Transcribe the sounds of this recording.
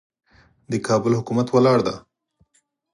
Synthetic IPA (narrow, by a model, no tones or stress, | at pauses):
d̪əkʰɑbəlhʊkumat̪walɑɽd̪a̰